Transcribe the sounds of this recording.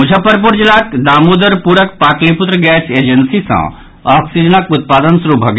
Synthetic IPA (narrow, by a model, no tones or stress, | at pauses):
ud͡ʒʱapəɾp̬uɾd͡ʒilaːkd̪aːmud̪əɾpuɾək̚pakliput̪ɾəɡɛseːd͡ʒənsisɐ̰̃ | ɔːksid͡ʒənəkut̪̚paːd̪ənsɾubʱɐɡ